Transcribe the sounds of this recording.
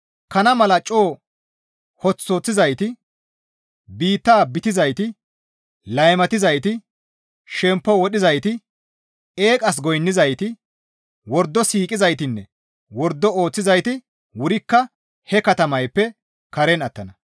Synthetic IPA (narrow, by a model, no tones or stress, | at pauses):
kɐnɐmɐlɐt͡ʃʼoː | hɔt͡sːoːt͡sːɪzɐjt̪ɪ | biːt̪ːaːbɪt̪ɪzɐjt̪ɪ | lɐjmɐt̪ɪzɐjt̪ɪ | ʃɛmpːɔwɔɗɪzɐjt̪ɪ | eːkʼɐs̬ɡɔjnːɪzɐjt̪ɪ | wɔɾd̪ːɔsiːkʼɪzɐjt̪ɪnːɛ | wɔɾd̪ːɔo̞ːt͡sːɪzɐjt̪ɪ | wʊɾɪkːɐ | hɛkɐt̪ɐmɐjpːɛ | kɐɾɛnɐt̪ːɐnɐ